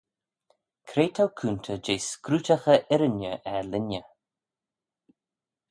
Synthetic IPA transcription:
kʰɾeːt̪ʰawkʰuːnt̪ʰəd͡ʒeːskɾuːtaxəʔɛɾənəʔɛlɪnə

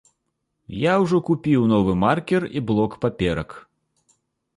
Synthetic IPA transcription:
jawʐɔkupʲiwnɔvɨmarkʲɛrḭblˠɔkpapʲɛɾɐk

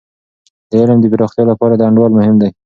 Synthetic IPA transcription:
d̪̥əɪləmd̪əbiɾɑxt̪jɑlapɑɾad̪əaɳɖwɑlmʊhɪmd̪aj

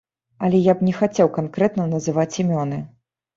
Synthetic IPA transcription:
ɐlʲɛjapnʲɛxat͡sʲɛwkankɾɛt̪nɐnɐzɨvat͡sʲimʲɔnɨ

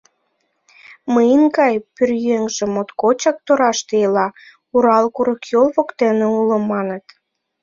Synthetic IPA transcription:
məjənkɑjpyrjøŋʒĕmot̪kot͡ɕɑk̚t̪oɾɑʃt̪eelɑ | uɾɑlkuɾəkjolβokt̪eneuləmːɑnə̆t̪

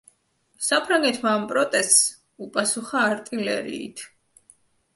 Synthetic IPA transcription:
sapʰɾaŋɡɛt̪ʰmaːmpʼɾɔt̪ʼɛst̪s | upʼasuχaːɾt̪ʼilɛɾḭḭt̪ʰ

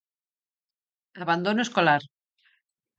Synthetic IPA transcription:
aβand̪onoeskolaɾ

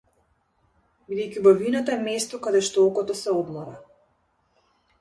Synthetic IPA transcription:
bid̪ɛjkʲivɔvinat̪aɛmɛst̪ɔkad̪ɛʃt̪ɔɔkɔt̪ɔsɛɔd̪mɔɾa

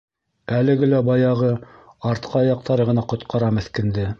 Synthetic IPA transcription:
ælɘ̆ɡɘlæbɑjɑʁɤ | ɑɾt̪qʰɑjɑq̚t̪ɑɾɤʁɤ̆nɑqŏt̪qɑɾɑmɘ̆θkɘ̆nd̪ɘ

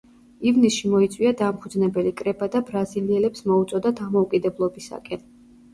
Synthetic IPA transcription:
ivnisʃimɔit̪sʼwiad̪amχud̪znɛbɛlikʼɾɛbad̪abɾaziliɛlɛpsmɔut̪sʼɔd̪ad̪amɔukʼid̪ɛblˠɔbisa̰kʼɛn

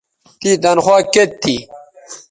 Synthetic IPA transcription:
t̪id̪ɐnxwaːket̪̚ʰːi

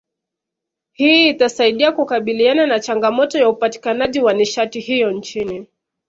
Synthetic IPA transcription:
hiːtasaiɗiakukaɓiliananat͡ʃaŋɡamɔtɔjaupati̥kanaʄiwaniʃatihijɔnt͡ʃini

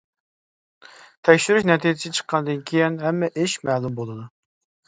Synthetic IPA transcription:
t̪ʰɛkʲʃyɾyʃnɛt̪ʰid͡ʒɪst͡ʃʰə̥qʰːɑnɨd̪ɨnkʲʰejinɦɛmːɛʔɪʃmɛːlˠumbolˠɨd̪u

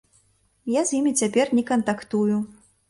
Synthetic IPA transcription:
jazʲjimʲit͡sʲapʲɛrnʲɛkɐnt̪akt̪uju

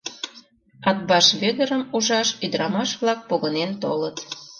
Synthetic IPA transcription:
ɑt̪̚bɑʃβeɣə̆ɾəmuʒɑʃyd̪əɾɑmɑʃβlɑk̚poɣənent̪olət̪

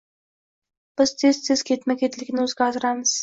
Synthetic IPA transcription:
b̥ɪz̥t̪ʰezt̪ʰez̥kʲʰet̪mekʲʰet̪lʲɪɡʲnɪɵzɡʲɑzɾɑməz̥

